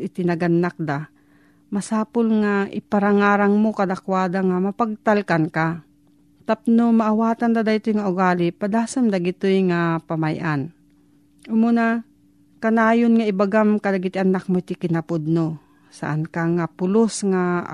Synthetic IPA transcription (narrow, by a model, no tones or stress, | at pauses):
ɪt̪ɪnaɡanːak̚d̪a | masaːpʊlŋaʔɪpaɾaŋaːɾaŋmokad̪akwaːd̪aŋamapaɡ̚t̪alkanka | t̪ap̚nomaʔawaːt̪and̪ad̪aɪt̪ʊjŋaʊɡaːlipad̪aːsamd̪aɡɪt̪ojŋapamajʔan | ʊmʊna | kanaːjonŋaɪbaɡamkad̪aɡɪt̪ɪʔanak̚moɪt̪ɪkɪnapʊd̪̚no | sa̰ʔankaŋapʊlosŋa